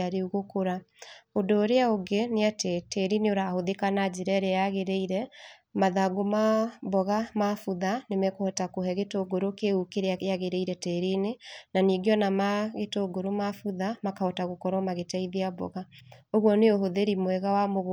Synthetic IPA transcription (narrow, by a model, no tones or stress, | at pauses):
aɾeuɣokoɾaodoːɾeaoɡeneatetɛɾineoɾahoðekanad͡ʑeɾɛɾeaɣeɾeiɾɛmaðaɡomabɔɣamafuðanemɛkohɔtakoɦɛɣetoɡoɾokeukeɾeaeaɣeɾeiɾɛtɛɾinenaniɡjɔnamaɣetoɡoɾomafuðamakahɔtaɣokɔɾɔmaɣetaiðeaβɔ̰ɣaoɣwɔneoɦoðeɾimwɛɣawamoɣ